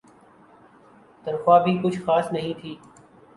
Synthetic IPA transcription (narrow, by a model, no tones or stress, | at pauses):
t̪ənxwaːbʱiːkʊt͡ʃʰxaːsnəɦĩt̪ʰiː